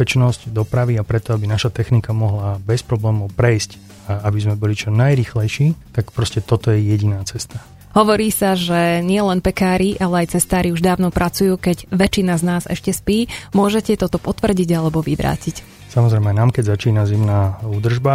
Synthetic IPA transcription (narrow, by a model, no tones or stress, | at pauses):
pɛt͡ʃnɔzɟd̪ɔpɾaʋiapɾɛt̪ɔabinaʃat̪ɛxnikamɔɦlabɛspɾɔblɛːmɔʊpɾɛjsc | abizmɛbɔlit͡ʃɔnajɾiːxlɛjʃiːt̪akpɾɔscɛt̪ɔt̪ɔjɛjɛɟinaːt͡sɛst̪a | ɦɔʋɔɾiːsaʒɛɲɪɛlɛnpɛkaːɾiʔalɛajt͡sɛst̪aːɾiuʒd̪aːʊnɔpɾʔat͡sujuːkɛɟʋɛt͡ʃinaznaːzɛ̰ʃcɛspiːmʊɔʒɛcɛt̪ɔt̪ɔpɔt̪ʋr̩ɟiɟalɛbɔʋiʋɾa̰ːcic | samɔzɾɛjmɛnaːmkɛɟzat͡ʃiːnazimnaːuːd̪r̩ʒba